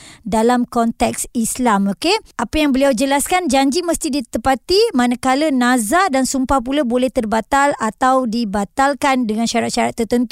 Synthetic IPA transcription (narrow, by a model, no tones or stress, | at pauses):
dalamkɔnt̪ɛksislamokeapəjaŋbəliawd͡ʒəlaskand͡ʒaɲd͡ʒiməst̪idit̪əpat̪imanakalənãzadansumpahpulabolɛht̪ərbat̪alat̪awdibat̪alkandəŋanʃaɾat̪̚ʃaɾat̪ːərt̪ənt̪u